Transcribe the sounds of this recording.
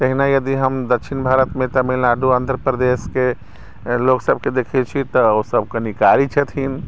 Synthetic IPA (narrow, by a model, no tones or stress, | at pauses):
t̪əɦinajəd̪iɦəmd̪əkʃʰinbʱaɾət̪mẽt̪amilnaɖuãnd̪ʱɾəpɾəd̪eske | loksəb̚ʱked̪ekʰet͡ʃʰit̪ɔosəb̚ʱkənikaɾit͡ʃʰɛt̪ʰin